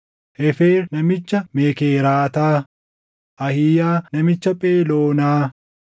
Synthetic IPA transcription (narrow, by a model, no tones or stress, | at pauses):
ʔɛfeːɾnɐmɪt͡ʃːɐmeːkeːɾaːt̪aː | ʔɐhɪjaːnɐmɪt͡ʃːɐpʼeːloːnaː